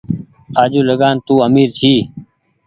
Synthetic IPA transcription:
aːd͡ʒuːləɡaːnt̪uːəmiːɾt͡ʃʰiː

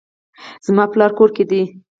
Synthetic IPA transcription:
z̥mɑplɑɾkoɾked̪i

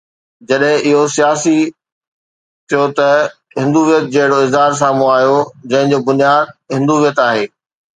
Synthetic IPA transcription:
d͡ʑɐɗɦɪ̃ʔɪɦosijaːsi | t̪ʰijot̪ɐ | ɦɪ̃nd̪uʋijət̪̚d͡ʑeːɦɪɽoɪzɦaːɾs̬aːmũaːɦijod͡ʑɐ̃ɦɪ̃ɲd͡ʑoːbʊnijaːd̪̚ɦɪ̃nd̪uːʋijət̪aːɦeː

